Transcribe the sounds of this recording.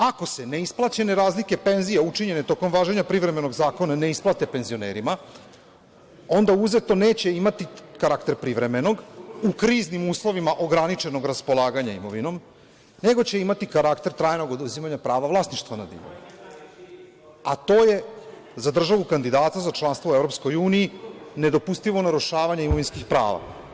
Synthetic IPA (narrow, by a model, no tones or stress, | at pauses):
ako̞se̞ne̞isplˠat͡ɕe̞ne̞ɾaːzlike̞pe̞nzijeut͡ʂiɲe̞ne̞t̪o̞ko̞mʋaːʒeɲapɾivɾe̞me̞no̞ɡzaːko̞nane̞isplˠat̪e̞pe̞nzio̞neːɾima | o̞nd̪auze̞t̪o̞ne̞ːt͡ɕe̞imat̪ikaɾakt̪e̞ɾpɾiʋɾe̞me̞no̞ɡukɾiːznimuːslˠo̞ʋimaʔo̞ɡɾanit͡ʃe̞no̞ɡɾaspo̞lˠaːɡaɲaimo̞ʋino̞m | ne̞ɡo̞t͡ɕe̞imat̪ikaɾakt̪e̞ɾt̪ɾaːjno̞ɡo̞d̪uzimaɲapɾaːʋavlˠasniʃt̪ʋanad̪ḭʋo̰u | at̪o̞ːje̞ | zad̪r̩ʒaʋukand̪id̪aːt̪azat͡ʃlˠanst̪ʋouevɾo̞psko̞juːnijine̞d̪o̞pust̪iʋo̞naɾuʃaːʋaɲaimo̞ʋinskixpɾa̰ːʋa̰